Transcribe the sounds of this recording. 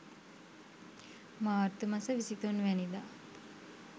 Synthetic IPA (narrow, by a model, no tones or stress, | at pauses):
maːɾt̪umasəʋisit̪onʋænid̪aː